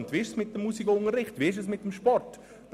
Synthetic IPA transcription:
nt̪ʋiːɪʃsmɪt̚dəmːusiɡɐʊŋəɾːɪχtʋiːɪʃ̬əsmɪt̚ːəmʃpɔrt | d̥

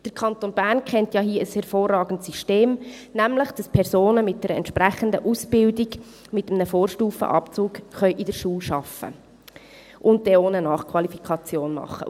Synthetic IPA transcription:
d̥əɾkʰɑnt̪oːnbæːɾnkχɛntjɑːɦiəəshɛɾfoːrːɑːɡn̩tsiʃteːmnæmləχd̥ɑspʰɛɾsoːnəmɪt̚d̥ɛːɾəɛ̰ntʃprɾæχəndəʔusb̥ɪldiɡ | mɪtəmnəfoːɾʃtuːfə̰ʔɑ̰pt͡suːkχœʏʔidəɾʃuːlʃɑfə̰ | ʔʊn̚dɛoːnənɑːχkʰwɑlifikʰɑt͡sjoːnmɑ̰χːə̰

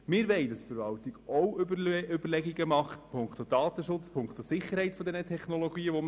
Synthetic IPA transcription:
mɪːɾʋɛɪdɑstfəɾʋɑltiɡ̥ɔwʏbəɾlɛɡiɡəmɑχtpʰʊŋkt̪od̥ɑːt̪əʃʊt͡spʰʊŋkt̪osɪχːəɾɦhɛɪtfɔd̪ɛnət̪ʰɛχnɔlɔɡ̥iːəʋo

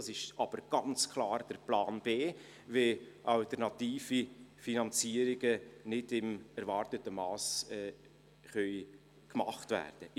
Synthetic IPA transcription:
sɪʃɑb̥əɾɡ̥ɑnt͡skʰlɑːɾd̥əɾplɑːnb̥eː | ʋeʔɑltəɾnɑt̪iːfifinɑnt͡siəɾɪɡənɪdɪmɛɾvɑrtətəmɑːsɛ | χœʏ | kmɑχtvæ̰ːɾd̥ə

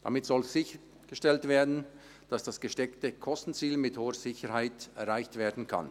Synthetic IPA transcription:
d̥a̰mɪtsɔlz̥ɪçə | ɡ̥əʃtɛltv̥eːɐdn̩ | d̥asd̥asɡ̥əʃtɛktəkʰɔstn̩t͡siːlmɪthoːəz̥ɪçəhaɪtɛɐʁaɪçtv̥eːɐdn̩kʰa̰n

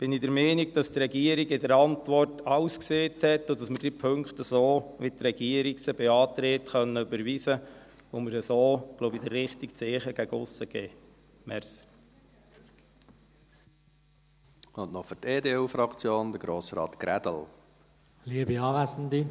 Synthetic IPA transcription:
b̥ɪnidəɾmɛːniɡ̚d̥ɑst̪ɾɛɡiəɾiɡɪdəɾɑntʋɔrtɑwskseːthɛt̪ːʊdɑsməɾd̥ipʰɵŋktəsoːʋɪt̪ɾɛɡ̥iəɾiksəbɛɑːt̪ɾeːt̪χœnːəybəɾʋisəomɪɾəsoːɡ̥lowbid̪ərːɪχt̪ikt͡seːχəɡ̥æɡʊsːəɡ̥ɛː | mɛɾs | ʊnnɔfʏteːdeːufɾɑkt͡sjoːnd̪əɾɡɾoːsɾɑ̰ːt̪ɡ̥ɾæd̪əl̩ | liəbiɑːʋæsn̩d̪i

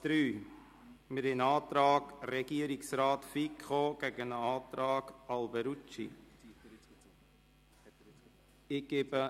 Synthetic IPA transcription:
d̪̥ɾyː | mɪɾɪnɑːt̪ɾɑːɡrɛɡ̥iəɾiksɾɑːtfikχoɡ̥ɛɡənəɑːt̪ɾɑːɡ̥ɑlbɛɾut͡ʃḭ | ɪɡ̥ebə

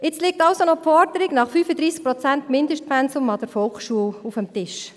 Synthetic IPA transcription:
ɪt͡slɪk̚tɑʊsonɔpfɔɾdəɾɪɡnɑχfyːfədɾiːsk̚pɾɔt͡sæntmɪndəʃtpɛnsʊmɑd̥əɾfɔlχʃuəlufəmtɪʃ

